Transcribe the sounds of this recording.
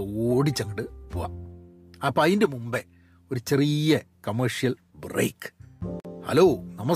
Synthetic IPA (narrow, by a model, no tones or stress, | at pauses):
oːɽit͡ɕːɐŋɡiʈɨpoːa̰ | aːpɐjindemumbe | o̞ɾut͡ɕerijɐkɐmɐrʂijɐl | brḛːkː | hɐ̰loːnɐmɐs